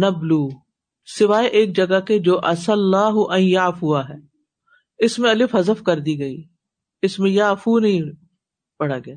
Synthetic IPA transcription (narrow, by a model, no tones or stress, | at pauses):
nɐbluː | sɪʋaːeʔeːk̚d͡ʒɐɡaked͡ʒoːʔɐsəlːaːɦʊʔɐ̃ĩjaːfʊaɦɛː | ɪsmẽɐlɪfɦɐzəfkɐɾd̪iɡɐḭː | ɪsmẽjaːfunɐɦĩ | pɐɽ̤aɡɪjaː